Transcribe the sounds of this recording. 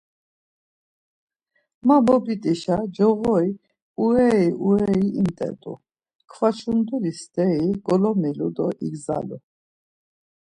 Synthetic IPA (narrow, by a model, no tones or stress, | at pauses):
mabɔbit̪ʼiʃad͡ʒɔɣɔi | uɛiʔuɛiimt̪ʼɛ̰t̪ʼṵ | kʰvat͡ʃʰund̪ulist̪ʼɛiɡ̥ɔlɔmilud̪ɔʔḭɡza̰lṵ